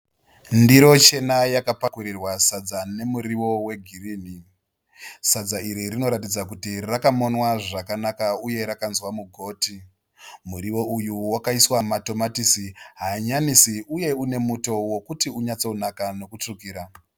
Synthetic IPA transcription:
ndiɾo̞t͡ʃe̞najakapakuɾirwasad͡zane̞muɾiʋo̞we̞ɡʱiriːni | sad͡zaiɾirino̞ɾatid͡zakutirakamonwaʐakanakauje̞ɾakanzwamuɡʱo̞ːti | muɾiʋo̞ujuwakaiswamato̞matisiɦaɲanisiʔuje̞une̞muto̞wo̞kutiuɲat͡so̞unakano̞kut͡ʂukiːɾa

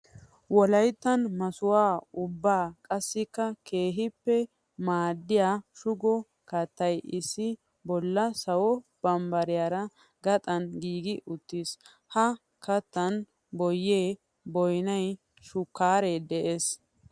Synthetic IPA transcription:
wɔlɐjt̪ːɐnmɐsʊwaːʊbːaːkʼɐsːɪkːɐke̞ːɦɪpːɛ | maːd̪ːɪjaːʃʊɡɔ | kɐt̪ːɐjʔɪsːɪ | bɔlːɐsɐwɔb̥ɐmbɐɾɪjaːɾɐ | ɡɐt̪ʼɐnɡiːɡɪʔʊt̪ːis | hɐ | kɐt̪ːɐn | bɔjːeː | bɔjnɐj | ʃʊkːaːɾed̪ɛʔeːs

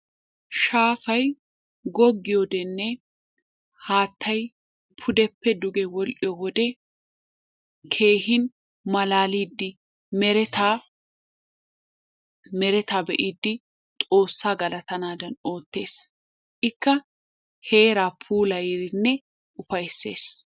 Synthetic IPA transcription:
ʃaːfɐj | ɡɔɡːɪjod̪ɛnːɛ | haːt̪ʰːɐj | pʰʊd̪ɛpːɛd̪ʊɡɛwɔlʔɪjɔwɔd̪ɛ | kʰe̞ːɦɪn | mɐlaːliːd̪ːɪ | mɛɾɛt̪aː | mɛɾɛt̪aːbɛʔiːd̪ːɪ | t̪ʼo̞ːsːaːɡɐlɐt̪ɐnaːd̪ɐno̞ːt̪ːe̞ːs | ʔɪkːɐ | he̞ːɾaːpʰuːlɐjɾɪnːɛ | ʔʊfɐjsːe̞̰ːs

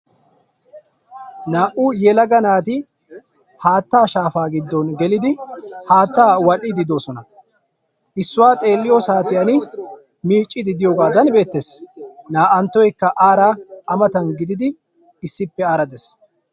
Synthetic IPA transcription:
naːʔʊjɛlɐɡɐnaːt̪ɪ | haːt̪ːaːʃaːfaːɡɪd̪ːɔnɡɛlɪd̪ɪhaːt̪ːaːwɐlːɪd̪ɪd̪o̞ːsɔnɐ | ʔɪsːʊwaːt̪ʼe̞ːlːɪjosaːt̪ɪjɐnɪ | miːt͡ʃʼːɪd̪ɪd̪ɪjoːɡaːd̪ɐnbe̞ːt̪ːesnaːʔɐnt̪ːɔjkːɐʔaːɾaʔɐmɐt̪ɐnɡɪd̪ɪd̪ɪ | ɪsːɪpːɛaːɾɐd̪ɛs

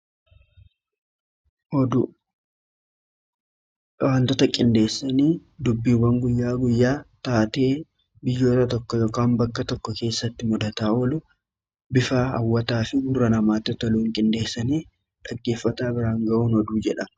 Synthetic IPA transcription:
ɔd̪ | waːnt̪ɔt̪ɐkʼɪnd̪e̞ːsːɐniːd̪ʊbːiːwɐŋɡʊjːaːɡʊjːaːt̪aːt̪e̞ː | bɪjːo̞ːt̪ɐt̪ɔkːɔjo̞ːkaːmbɐkːɐt̪ɔkːɔke̞ːsːɐt̪ːɪmʊd̪ɐt̪aːɔlʊ | bɪfaːɐ̰wːɐt̪aːfɪɡʊrːɐnɐmaːt̪ɔt̪ɐluːŋkʼɪnd̪e̞ːsːɐniː | ᶑɐɡːe̞ːfːɐt̪aːbɪɾaːŋɡɐʔuːnɔd̪uːd͡ʒɛᶑɐ

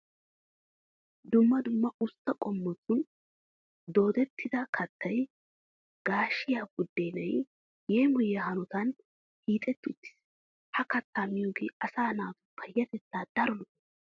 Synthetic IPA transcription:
d̪ʊmːɐd̪ʊmːɐʔʊst̪ːɐkʼɔmːɔt͡sːʊn | d̪o̞ːd̪ɛt̪ːɪd̪ɐkʰɐt̪ʰːɐj | ɡ̥aːʃːɪjaːbʊd̪ːeːnɐj | jeːmʊjɐhɐnɔt̪ɐn | hiːt̪ʼɛt̪ːʊt̪ːɪ̥s | hɐkɐt̪ːaːmɪjoːɡeɐsaːnaːt̪ʊ̥pɐjːɐt̪ɛt͡sːaːd̪̥ɐɾɔnɔ

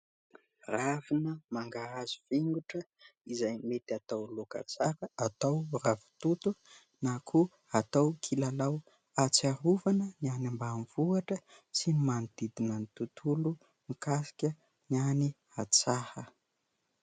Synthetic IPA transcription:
ravinəmaŋɡaazuv̥eŋɡuʈ͡ʂə | izajmet̪at̪awloka̰t͡saɾəat̪awravi̥t̪ut̪u | nakʰu | at̪awkʰilalaw | at͡saɾuvanənianambanvuaʈ͡ʂəsinimand̪id̪inənit̪ut̪ʰulu | ŋikasi̥kʲə | niani | at͡sahə

